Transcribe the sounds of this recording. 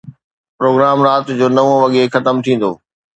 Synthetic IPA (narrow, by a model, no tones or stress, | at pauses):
pɾoːɡɾaːmɾaːt̪d͡ʑoːnɐʋõʋɐɠexɐt̪əmt̪ʰĩːn̆d̪oː